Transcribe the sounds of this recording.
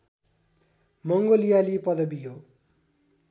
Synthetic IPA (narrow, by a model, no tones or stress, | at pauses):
mʌŋɡolijalipʌd̪ʌbiɦo